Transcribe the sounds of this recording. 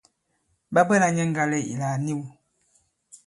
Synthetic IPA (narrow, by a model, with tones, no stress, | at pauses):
ba˦bə˦la˨ɲɛ˦ŋ̩˦ɡa˦lɛ˦ḭ˨la˨ni˦wu˨